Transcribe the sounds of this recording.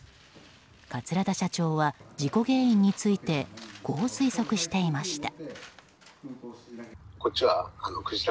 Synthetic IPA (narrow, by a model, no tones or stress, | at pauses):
kat͡sɨɾad̪aɕat͡ɕo̞ːβad͡ʑiko̞ɡe̞ːĩɲ̟ːit͡sɨit̪e̞ɡ̥o̞ːsɨiso̞kɯ̟ɕi̥t̪e̞imaɕi̥t̪a | kot̚t͡ɕːiβaanokɯ̟ʑit̪